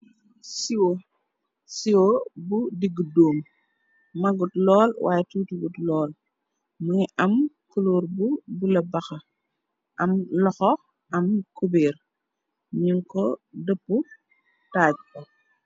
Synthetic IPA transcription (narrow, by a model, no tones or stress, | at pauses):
siwo | siwobudiɡːədoːm | mɐɡutlɔːlwʔa̰ːjɛtuːtuɡutlɔːl | muŋiʔɐmkuloːɾbubulɐbɐxɐ | ʔɐmlɔxɔ | ɐmkubɛːr | ɲuŋkɔdəpːu | taːɟ̚kɐ